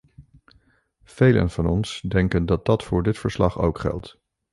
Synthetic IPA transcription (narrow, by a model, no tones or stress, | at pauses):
v̥ejlə̰nv̥ɑnɔnsdɛŋkəndɑt̚dɑtfʊːɹdɪtfəɹslɑχo̰wkχɛ̰lˠt